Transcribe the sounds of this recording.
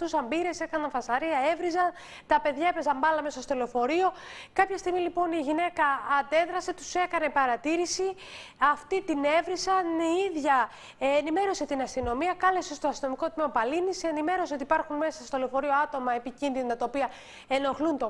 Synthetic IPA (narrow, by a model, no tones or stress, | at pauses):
t̪usɐmbiɾe̞se̞kɐnɐnfɐsɐɾiɐe̞vɾizɐn | t̪ɐpe̞ðʝɐepɾezɐmbɐlɐme̞sɐst̪oleofo̞ɾio̞kɐpçɐst̪iɣmilipo̞niʝine̞kɐːnd̪e̞ðɾɐse̞t̪u̥se̞kɐne̞pɐɾɐt̪iɾisi | ɐft̪it̪ine̞vɾisɐniiðʝɐ | nime̞ɾo̞se̞t̪inɐst̪ino̞miɐkɐle̞sest̪oɐst̪ino̞miko̞t̪meopɐlinise̞nime̞ɾo̞seo̞t̪ipɐɾxunme̞sɐst̪o̞leofo̞ɾioɐt̪o̞mɐe̞picinðinot̪ɐt̪ɐopiɐ | e̞no̞xlunt̪o